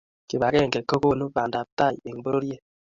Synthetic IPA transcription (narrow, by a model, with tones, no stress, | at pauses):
ki˨ba˨kɛ˦˨ŋkɛ˨ko˦ko˦nu˦ba˨nda˨p̚ta˦˨je˨ŋbo˦ɾo˦ɾje˦˨